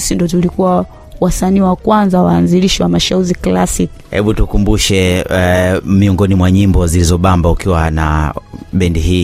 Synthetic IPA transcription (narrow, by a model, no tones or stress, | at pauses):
sindɔt̬ulikuwa | wasaniːwakwanzawaːnziliʃiwamaʃauɾiklasik | hɛ̰ɓutukumbuʃɛ | miɔŋɡɔnimwaɲimbɔzilizɔɓambaukiwana̰ɓɛndiɦiː